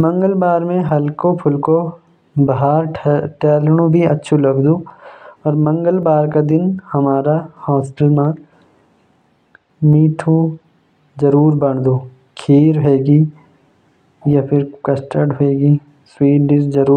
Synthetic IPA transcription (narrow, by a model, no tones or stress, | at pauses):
mɐ̃ŋɡəlbaːɾmẽɦɐlkõpʰʊlko | bɐɦaːɾʈɛːlɽ̃ũbʱiɐtːʃʰulɐɡd̪uːɔːɾmɐ̃ŋɡəlbaːɾkad̪ɪnhɐmaːɾahɔːsʈəlmã | miːʈʰũ | zɐɾuːɾbɐɳ̃d̪uː | kʰiːɾɦeːɡi | japʰɪɾkɐsʈəɖɦoeːɡi | swiːʈɖɪʃzɐɾuː